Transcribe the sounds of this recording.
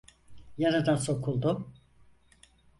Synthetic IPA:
jaɾad̪anso̞kʰulˠd̪ʊ

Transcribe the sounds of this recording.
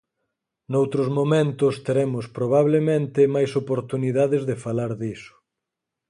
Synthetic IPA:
nowt̪ɾʊzmomẽnt̪ʊst̪eɾɛmʊspɾoβaβlemẽnt̪ɪmajsopoɾt̪uniðaðezðefalaɾðisʊ̥

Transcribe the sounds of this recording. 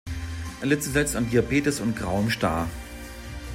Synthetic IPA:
ʔɛlɪt͡səzɛt͡standiapeːtəsʊnt̚ɡ̥ʁaʊəmʃta̰ː

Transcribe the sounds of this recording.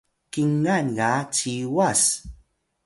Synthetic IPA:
kiŋːanɡat͡ʃiwas

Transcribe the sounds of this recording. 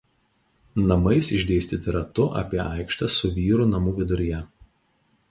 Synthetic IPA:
nɐmɐɪsɪʒʲd̪ʲeːsʲt̪ʲiːt̪ʲɪɾɐt̪ʊʔɐ̰pʲiɛʔɑɪkʃt̪ɐsʊʋʲiːɾunɐmuːʋʲɪd̪ʊɾʲɪjɛ

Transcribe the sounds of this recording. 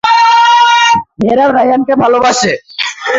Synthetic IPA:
meɾabɾajankebʱalobaʃe

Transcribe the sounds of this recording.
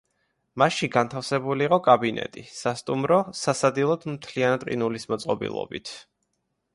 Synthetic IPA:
maʃiɡant̪ʰafsɛbuliːqʼɔkʼabinɛ̰t̪ʼisast̪ʼumɾɔsasad̪ilˠɔd̪mt̪ʰlianat̪̚ʼqʼḭnulismɔt̪sʼqʼɔbḭlˠɔ̰bḭt̪ʰ

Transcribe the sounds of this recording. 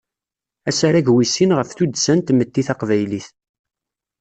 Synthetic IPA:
æsaɾæʝwisinʁəfθud̪sænt̪məd̪ːiθɑqvæjliθ

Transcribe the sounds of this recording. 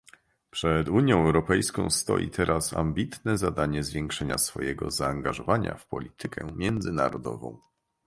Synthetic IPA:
pʂɛd̪uɲjɔ̃w̃ɛwɾɔpɛjskɔ̃w̃st̪ɔ̰jḭt̪ʰɛɾʔasa̰mbʲit̪nɛzad̪aɲɛzvʲjɛŋkʂɛɲasfɔjɛɡɔzaːŋɡaʐɔvaɲa̰fpɔlʲit̪ɘkʰɛmʲjɛnd̪zɘnaɾɔd̪ɔvɔ̰̃w̃

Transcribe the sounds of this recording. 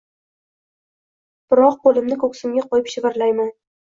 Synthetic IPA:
b̥ɪɾɒq̚bolˠɪmnɪkʰɵkʲsɪmɡʲaqʰɒjɪpʃɪvɪɾlajman

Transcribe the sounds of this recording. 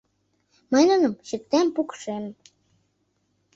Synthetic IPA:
mɑnə̆nɤmɕək̚t̪æmpukʃem

